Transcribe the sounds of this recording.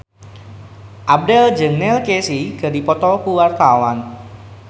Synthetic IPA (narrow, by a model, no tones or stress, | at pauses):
ʔab̚dɛld͡ʒəŋnɛlkesiɡ̥a̤dipɔt̪ɔkuwart̪awan